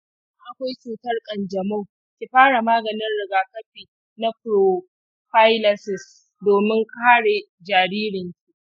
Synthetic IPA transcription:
ʔa˨kʷa˦jt͡ʃuː˨tɐ˦rkʼɐ˨nd͡ʒɐ˨ma˦w | kʲi˨ɸaː˦ɽa˨maː˦ɡɐ˨nɪ˦nɽɪ˨ɡaː˨kɐ˦ɸiː˨ | na˦pɾo˨ | ɸa˦jlɐ˦sɪ˨s | doː˨mɪ˦ŋkʰaː˦ɽe˨ | d͡ʒaː˨ɽiː˦ɾɪ˨ŋkʲi˦˨ʔ

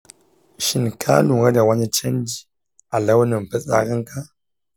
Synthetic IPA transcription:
ʃi˨nkʰa̰˦lu˨ŋə˦da˨wa˦ɲə˦t͡ʃe˦n˦di˦ | a˨la˦wnə˨m˨pə˦a̰˨kə˦ŋ˦ka˦

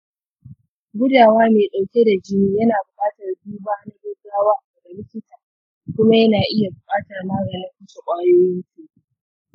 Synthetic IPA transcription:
ɡʷʊ˦daː˨waː˦meː˨ɗa˨wkʲe˦da˨d͡ʒɪ˦ni˦jɐ˦naː˨bʊ˨kʼaː˦tɐ˨rbuː˦baː˦na˦ɡeː˦ɡaː˦waː˦a˨ɡɐ˨lɪ˦kʲɪ˦taː˨ | kʷʊ˦ma˦jɐ˦naː˨ʔɪ˦ja˨bʊ˨kʼaː˦taː˨rmaː˦ɡɐː˨nɐ˦ɸʊ˦so˨kʷʼaː˦joː˦jɪ˦ntuː˨˦

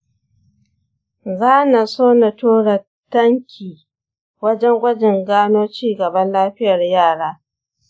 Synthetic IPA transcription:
zaː˦na˨soː˦na˨toː˦ɽɐ˨ | tːɐ˦ŋkʲʰiː˨ | wɐ˦d͡ʒɛ˦ŋɡʷɐ˦d͡ʒɪ˨ŋɡaː˦noː˦t͡ʃiː˦ɡɐ˨bɐ˦nlaː˦ɸɪ˦jɐ˨rjaː˦˨ɽaː˦

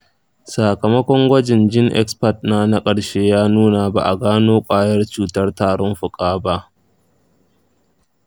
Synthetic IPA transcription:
saː˨kɐ˨mɐ˦kʷɔ˦ŋɡʷɐ˦d͡ʒɪ˨nd͡ʒɪ˦ŋʔɛ̰˦kspɐ˨t̚naː˦na˦kʼɐ˨ɽʃeː˦jaː˦nuː˦na˨ba̰˨ʔa˨ɡaː˦noː˦kʷʼaː˦jɐ˦rt͡ʃuː˨tɐ˦rtaː˨ɽɔ˦mɸʊ˨kʼaː˦ba˦ʔ

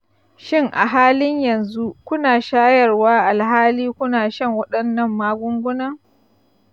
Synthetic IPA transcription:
ʃɪ˦ŋʔa̰˨ɦaː˦lɪ˦ɲjɐ˨nzu˦kʷʊ˦naː˨ʃaː˦jɐ˨rwaː˦ʔa˨lɦaː˦liː˦kʷʊ˦naː˨ʃɐ˦ŋwɐ˦ɗɐ˨nːɐ˦˨mːaː˦ɡʷʊ˦ŋɡʷʊ˦nɐ˦ŋ

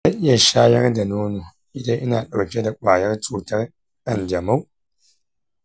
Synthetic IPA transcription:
a˦ʔja˨ʃaː˦jɐ˦ɾda˨noː˦no˨ | i˦˨da˦ʔi˦na˨ɗa˨wkʲe˦da˨kʷʼaː˨jɐ˦ɾt͡suː˨tɐ˦ɾ | ɗa˨nd͡ʒɐ˨ma˦w

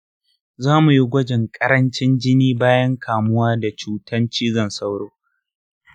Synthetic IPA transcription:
zaː˦mu˨ji˦ɡʷɐ˦d͡ʒɪ˨ŋkʼɐ˦ɾɐ˦nt͡ʃɪ˦nd͡ʒɪ˦niː˦baː˦jɐ˦ŋkʰaː˨mʊ˦waː˦da˨t͡ʃuː˦tʰɐ˦nt͡ʃiː˦zɐ˦˨nsɐ˦wɽoː˦

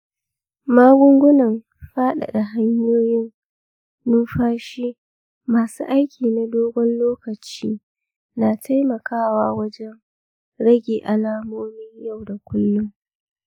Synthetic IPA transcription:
maː˦ɡʷʊ˦ŋɡʷʊ˦nɐ˨m | ɸaː˦ɗa̰˨ɗa˨ɦa˦ɲjoː˦jɪ˦n | nʊ˦mɸaː˦ʃi˦ | maː˨suː˦ʔa˦jkʲʰiː˨na˨doː˦ɡʷɔ˦nloː˦kɐ˨t͡ʃiː˦ | naː˨tʰa˦jmɐ˨kaː˦waː˦wɐ˦d͡ʒɛ˦n | ɽɐ˦ɡʲeː˨ʔa˨laː˦moː˦mɪ˦ɲja˦˨wda˨kʷʊ˦lːʊ˦ŋ

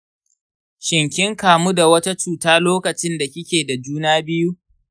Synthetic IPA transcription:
ʃɪ˨ŋkʲɪ˦ŋkaː˨mu˦da˨wɐ˦ta˦t͡ʃuː˨taː˦loː˦kɐ˨t͡ʃɪ˦nda˨kʲɪ˦kʲeː˨da˨d͡ʒuː˦naː˦bɪ˦ju˦

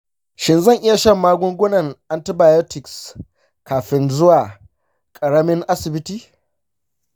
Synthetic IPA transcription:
ʃɪ˨nzɐ˦˨ŋʔɪ˦ja˨ʃɐ˦˨mːaː˦ɡʷʊ˦ŋɡʷʊ˦nɐ˨ŋʔa˨ntɪ˦baː˨jo˦tɪ˨ks | kaː˨ɸɪ˦nzʊ˦waː˨ | kʼɐ˨ɽɐ˦mɪ˦ŋʔa˦sɪ˨bɪ˦tiː˨

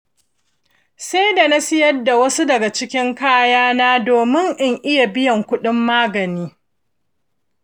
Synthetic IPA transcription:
sa˦jda˨na˦sɪ˦jɐ˦dːa˨wɐ˦su˦dɐ˨ɡa˨t͡ʃɪ˦kʲɪ˦ŋkaː˦jaː˦naː˦doː˨mɪ˦ŋʔɪ˦ŋʔɪ˦ja˨bɪ˦jɐ˨ŋkʷʊ˦ɗɪ˦mːaː˦ɡɐ˨niː˦

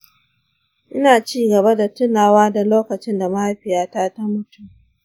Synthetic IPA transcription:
ʔɪ˦naː˨t͡ʃiː˦ɡɐ˨βa˦da˨tʊ˦naː˨waː˦da˨loː˦kɐ˨t͡ʃɪ˦nda˨ma˦a˦ɸɪ˨jaː˦ta˦ta˦mʊ˦tʊ˦m

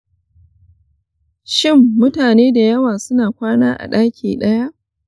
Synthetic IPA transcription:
ʃɪ˦˨mːʊ˦taː˨neː˦da˨jɐ˦waː˨sʊ˦naː˨kʷaː˦naː˦ʔa̰˨ɗaː˦kʲʰḭː˨ɗɐ˦ja˦ʔ

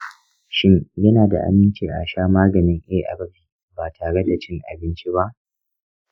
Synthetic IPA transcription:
ʃɪ˦ŋjɐ˦naː˨da̰˨ʔa̰˨mɪ˦nt͡ʃiː˨ʔa̰˨ʃaː˦maː˦ɡɐ˨nɪ˦ŋʔeː˦ʔa̰˨bɐ˦ɸiː˨ | baː˨tʰaː˨ɽe˦da˨t͡ʃɪ˦ŋʔa̰˨bɪ˦nt͡ʃi˦ba˦ʔ

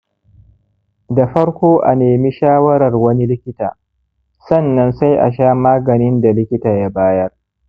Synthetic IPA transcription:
da˨ɸɐ˦ɽkʷoː˦ʔa̰˨neː˨mi˦ʃaː˦wɐ˦ɾɐ˨rwɐ˦ni˦lɪ˦kʲɪ˦ta̰ː˨ | sɐ˦˨nːɐ˦nsa˦jʔa̰˨ʃaː˦maː˦ɡɐ˨nɪ˦nda˨lɪ˦kʲɪ˦taː˨ja˦baː˦jɐ˦r

